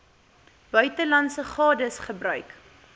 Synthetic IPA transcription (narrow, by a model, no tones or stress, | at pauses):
b̥œɥtəlɐntsəχɑːdəsχəbrœɥk